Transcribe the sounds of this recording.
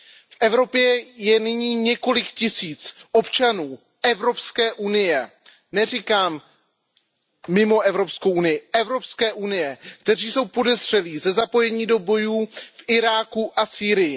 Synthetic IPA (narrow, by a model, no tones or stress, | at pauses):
fʔɛvɾo̞pjɛjɛnɪɲiːɲɛko̞lɪkcɪsiːt͡sʔo̞pt͡ʃanuː | ɛvɾo̞pskɛːʔunɪjɛ | nɛrikaːm | ɪmo̞ʔɛvɾo̞pskowʔunɪjɪʔɛvɾo̞pskɛːʔunɪjɛkt̪ɛr̝iːso̞wpo̞dɛzr̝̥ɛliːzɛzapo̞jɛɲiːdo̞bo̞juːfʔɪɾaːkuʔasiːɾɪjɪ